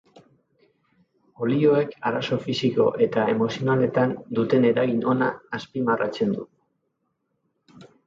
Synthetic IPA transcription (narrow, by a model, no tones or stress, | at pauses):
o̞lio̞ekaɾaso̞fisiko̞ʔe̞t̪aemo̞sio̞nale̞t̪and̪ut̪e̞ne̞ɾaɣinʔo̞naːspimara̰t͡se̞nd̪ṵ